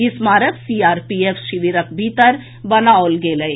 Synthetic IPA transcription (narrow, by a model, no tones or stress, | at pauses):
ɪsmaːɾət̪siːaːɾpiːefʰʃɪʋiɾəkʰbʱiːt̪əɾ | bɐnaːolɡeːləe